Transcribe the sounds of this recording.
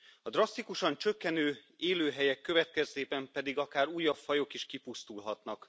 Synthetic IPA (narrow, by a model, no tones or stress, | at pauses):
ɒd̪rɒst̪ikuʃɒnt͡ʃø̞kːɛnøːeːløːɦɛjɛkːø̞vɛt̪̚kɛzt̪eːbɛmpɛd̪iɡɒkaːɾuːjːɒpfɒjo̞kiʃkipust̪ulɦɒt̪nɒk